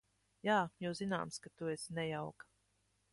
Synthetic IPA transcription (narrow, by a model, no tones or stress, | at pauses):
jaːjuwzina̰ːmskat̪uɛsnɛjawkḁ